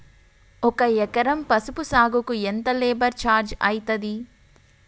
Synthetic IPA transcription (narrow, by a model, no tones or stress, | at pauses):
ɔkɐɛkɐɾɐmpɐsupusaːɡukuent̪ɐleːbɐɾt͡ʃaːɾd͡ʒɐjit̪ɐd̪i